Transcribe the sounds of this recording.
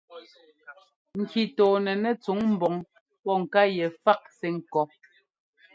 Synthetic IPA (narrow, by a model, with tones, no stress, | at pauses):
ŋ̩˨ki˨tɔː˨nɛ˨nɛ˦˨t͡su˨˦ŋm̩˨bɔ˨ŋ | pɔ˦˨ŋ̩˨ka˦jɛ˨fa˦ʔ̚sɛ˦ŋ̩˨kɔ˦